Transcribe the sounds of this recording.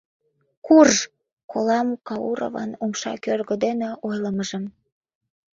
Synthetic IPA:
kur | kolɑmkɑuɾo̰vɑ̰numʃɑ̰kørɣəd̪eneʔojləməʒəm

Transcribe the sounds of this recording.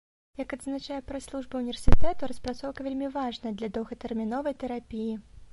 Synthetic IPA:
jɐkɐd̪znat͡ʂajɛpɾɛslˠuʐbɐwnʲivʲersʲit̪ɛt̪uɾɐspɾat̪sɔwkɐvʲelʲmʲivaʐnɐd̪lʲɐd̪ɔwɣɐt̪ɛrmʲinɔvɐjt̪ɛɾapʲiji

